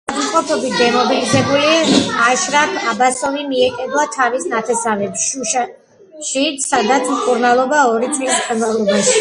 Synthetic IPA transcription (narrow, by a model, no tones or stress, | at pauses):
aχmt̪ʼqʼɔpʰɔbit̪̚ʰd̪ɛmɔbilizɛbuliaʃɾakʰabasɔvimiɛkʼɛblˠat̪ʰavisnat̪ʰɛsavɛpsʃuʃa | ʃit̪sad̪at̪smkʼuɾnalˠɔbaɔɾit̪ʰwisχɛnvalˠɔbaʃ